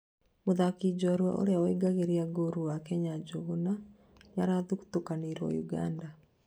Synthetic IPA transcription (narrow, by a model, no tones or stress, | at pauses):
moðakid͡ʑɔɾwaʔo̰ɾeawɛɡaɣeɾiaɡoɾuwakɛɲad͡ʑoɣona | ɲaɾaðuku̥tokaneɾwɔ̰juɡa̰nda